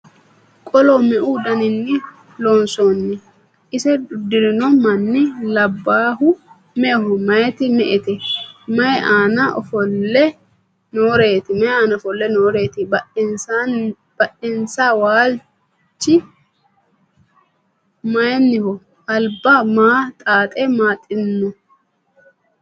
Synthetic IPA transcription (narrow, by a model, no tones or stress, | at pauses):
kʼɔlɔmɛʔuːd̪ɐnɪnːɪ | loːnsoːnːɪ | ʔɪsɛdʊd̪ɪɾɪnɔmɐnːɪlɐbːaːɦʊ | mɛɦɔmɐjɛt̪ɪmɛʔɛt̪ɛmɐjɛʔaːnɐʔɔ̰fɔlːɛ | noːɾeːt̪ɪmɐjaːnɐɔfɔlːɛnoːɾe̞ːt̪ɪb | b̥ɐʔɪnsawaːl | t͡ʃːɪ | mɐjɛnːɪhɔ | ʔɐlbːɐmaːt̪ʼaːt̪ʼɛmaːt̪ʼɪnːɔ